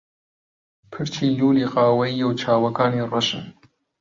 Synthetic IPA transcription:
pʰɨɾt͡ʃʰiːluːliːqɑːwɐijewt͡ʃʰɑːwɐkʰaːniːrɐʃɨn

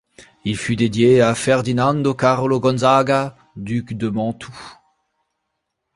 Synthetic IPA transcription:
ilfyd̪ed̪jeafɛʁd̪inɑ̃nd̪okaʁloɡɔ̃nzaɡa | d̪ykd̪əmɑ̃t̪ʰu

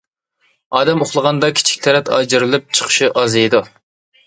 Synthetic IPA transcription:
ɑːd̪ɛmoχlˠəʁɑnd̪ɑkʲʰi̥t͡ʃʰi̥kʲt̪ʰɛɾɛt̪ɑ̰d͡ʒɨɾɨlˠɨp̚t͡ʃʰə̥χʰə̥ʃiʔɑzɨjd̪u

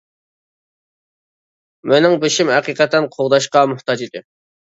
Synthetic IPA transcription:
mɪnɪŋbɪʃimhɛqiqət̪ʰːɛnqʰoʁd̪ɑʃqɑmʊht̪ɑd͡ʒid̪ɪ

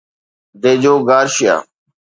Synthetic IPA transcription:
d̪eːd͡ʒoːɡaːɾʃɪja̰ː

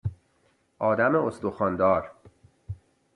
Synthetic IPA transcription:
ʔɒːd̪æmeost̪oxɒːnd̪ɒːɾ

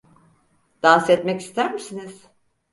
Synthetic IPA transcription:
d̪̥ansɛt̪mɛci̥st̪ʰæɾmisiniz̥

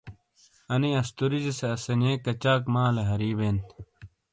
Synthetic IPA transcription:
ɐniɐst̪uɾiziseɐsɐneːkɐt͡ɕaːkmaːleɦɐɾiːbeːnt̪

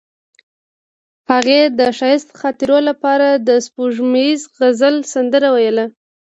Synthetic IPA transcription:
haɣed̪əʃɑjəst̪xɑt̪iɾolapɑɾad̪əspuʒmaizɣazəlsand̪əɾawajəla

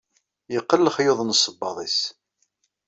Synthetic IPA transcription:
jəqːəlːəχjoðˤnsːəbːɑðˤis

